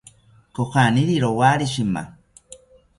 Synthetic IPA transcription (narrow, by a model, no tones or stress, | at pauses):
koxʷaniɾiɾowaɾiʃima̰